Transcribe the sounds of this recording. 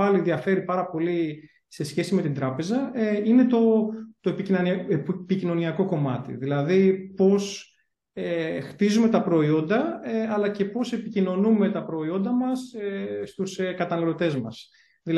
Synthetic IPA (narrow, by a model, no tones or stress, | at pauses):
ɐliðiɐfe̞ɾipɐɾɐpo̞li | se̞sçe̞sime̞t̪ind̪ɾɐpe̞zɐeine̞t̪o̞t̪oepi | picino̞niɐko̞ko̞mɐt̪ḭðilɐðipo̞s | ext̪izume̞t̪ɐpɾo̞io̞nd̪ɐɐlɐce̞po̞se̞picino̞nume̞t̪ɐpɾo̞io̞nd̪ɐmɐsest̪uskɐt̪ɐnɐlo̞t̪e̞zmɐ̰s | ðil